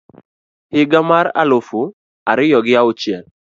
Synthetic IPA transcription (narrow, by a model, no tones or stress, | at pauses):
hɪɡamaɾa̰lofʊ | aɾɪjɔɡɪaʊt͡ʃjɛl